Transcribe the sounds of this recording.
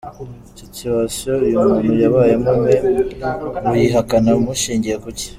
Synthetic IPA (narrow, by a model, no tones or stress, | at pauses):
icociβaʃo̞ijumuːnujaβaːjemume | βujiɦakanamuʃiːɲɟiɾakuce̥